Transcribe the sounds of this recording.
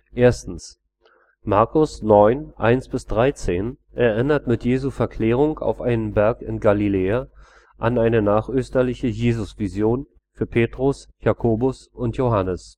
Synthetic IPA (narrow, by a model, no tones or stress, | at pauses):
ʔeːɐstn̩s | maɐkʊsnɔʏnʔa̰ɪnsb̥ɪsd̥ʁaɪt͡seːnʔɛɐʔɪnɐtmɪtjeːzufɛɐkʰl̥eːʁ̞ʊŋka̰ʊfʔaɪnənbɛɐkɪ̰nɡalileːa | ʔanaɪnənaːχʔøːstɐlɪçəjeːzʊsv̥izjoːn | fyːɐpʰeːtʁ̥ʊsjakʰoːbʊsʊntjoɦanəs